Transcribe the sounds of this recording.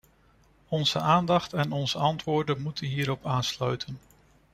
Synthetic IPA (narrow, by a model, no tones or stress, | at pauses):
ɔnz̥ə̰aːndɑχtɛnɔnzəɑntʋʊːɹdənmutənɦiːɾɔpaːnslœɥtʰən